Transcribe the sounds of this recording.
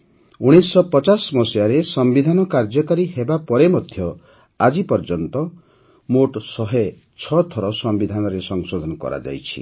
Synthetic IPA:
uɽ̃esɔpɔt͡ʃasmɔsjaɾesɔmbid̪ʱanɔkaɾd͡ʒɔkaɾiɦebapɔɾemɔd̪ʱjɔ | ad͡ʒipɔɾd͡ʒɔnt̪ɔ | moʈsɔɦe | t͡ʃʰɔt̪ʰɔɾɔsɔmbid̪ʱanɔɾesɔŋsod̪ʱɔnɔkɔ̰ɾa̰d͡ʒa̰jt͡ʃʰḭ

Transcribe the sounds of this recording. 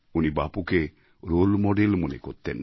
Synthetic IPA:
unibapuke | ɾolmɔɖelmonekoɾt̪en

